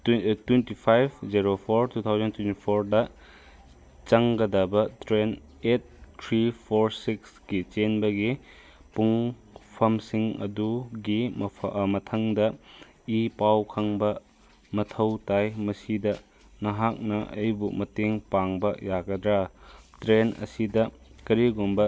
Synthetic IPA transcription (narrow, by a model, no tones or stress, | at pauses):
twentipʰajb̚ziɾopʰoɾtut̪ʰawzɐntwentipʰoɾdɐ | t͡ʃɐŋɡɐdɐbɐtɾen | et̚ʰːɾipʰoɾsiksɡit͡ʃenbɐɡi | puŋ | pʰɐmsiŋɐ̰duɡi | mɐtʰɐŋdɐ | ipawkʰɐŋbɐ | mɐtʰɐwtajmɐsidɐ | nɐɦak̚nɐʔɐ̰jbumɐteŋpaŋbɐjaɡɐdɾatɾenɐ̰sidɐ | kɐɾiɡombɐ